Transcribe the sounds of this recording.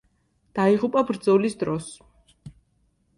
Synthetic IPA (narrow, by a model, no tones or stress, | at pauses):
d̪̥aiʁupʼabɾd̪zɔlisd̪ɾɔs